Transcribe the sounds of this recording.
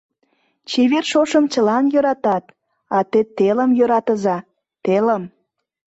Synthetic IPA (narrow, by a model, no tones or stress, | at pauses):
t͡ɕeβerʃoʃəmt͡ɕəlɑnjøɾɑt̪ɑt̪ | ɑt̪et̪eləmjøɾɑt̪əzɑ | t̪eləm